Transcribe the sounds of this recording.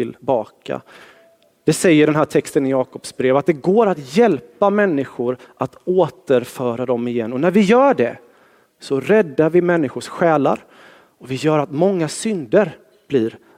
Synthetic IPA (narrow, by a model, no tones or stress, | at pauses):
ɪlbɑːkʰa̰ | d̪̥ɛsɛjːəɖɛnɦæːʈʰɛkst̪ənɪjɑːkɔpsbɾeːvat̪̚d̪ɛɡoːɾat̪jɛlpamɛnːɪɧʊɾʔat̪oːt̪əɾfœːɾad̪ɔmɪjɛnːɔnæɾvɪjœːɖɛ̰ | sɔɾɛd̪ːaɾvɪmɛnːɪɧʊʂɧɛːla̰ɾ | ɔvɪjœːɾat̪mɔŋːasʏnd̪əɾ | b̥lɪːɾ